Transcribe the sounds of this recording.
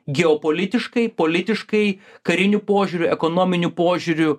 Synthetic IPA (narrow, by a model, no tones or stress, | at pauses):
ɡʲɛoːpoːlʲɪt̪ʲɪʃkɐɪpoːlʲɪt̪ʲɪʃkɐɪkɐɾʲɪnʲupoːʒʲuːɾʲʊɛkonoːmʲɪnʲupoːʒʲʊɾʲʊ